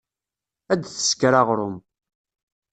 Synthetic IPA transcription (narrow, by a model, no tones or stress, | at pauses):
æd̪θə̥skɾaʁɾʊm